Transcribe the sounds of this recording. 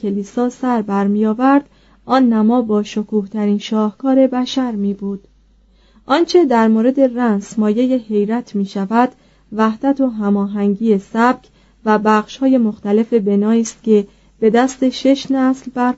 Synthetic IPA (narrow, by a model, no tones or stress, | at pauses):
eliːsɒːsæɾbæɾmijɒːvæɾd̪̥ | ʔɒːnːæmɒːbɒːʃo̞kʰuːht̪ʰæɾiːnʃɒːhkʰɒːɾe̞bæʃæɾmiːbuːd̪̥ | ʔɒːnt͡ʃʰe̞d̪æɾmoːɾe̞d̪e̞rænsmɒːje̞jehe̞jɾæt̪ʰmiːʃævæd̪ | væhd̪æt̪ʰo̞ɦæmɒːɦæŋɟiːesæb̥̚cʰ | væbæːχʃhɒːje̞mo̞xt̪æle̞fe̞be̞nɒːiːst̪cʰe̞ | b̥e̞d̪æst̪e̞ʃe̞ʃnæslbæɾ